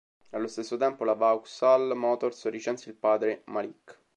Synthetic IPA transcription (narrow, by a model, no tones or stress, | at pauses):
alːost̪esːot̪ɛmpolavawksalmɔːt̪orsrit͡ʃɛnsilpaːd̪ɾemalikː